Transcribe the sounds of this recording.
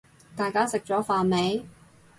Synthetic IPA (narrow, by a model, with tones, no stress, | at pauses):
t̪aː˨jkaː˥sɪ˨k̚t͡ʃɔː˨˥faː˨nme˨˥j